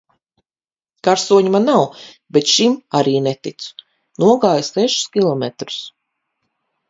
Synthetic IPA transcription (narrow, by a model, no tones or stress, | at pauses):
kaɾsuɔɲmanːaw | bet̪ʃimaɾiːnɛt̪it̪su̥ | nuɔɡaːjusɛʃu̥skʲilˠɔmɛt̪ɾu̥s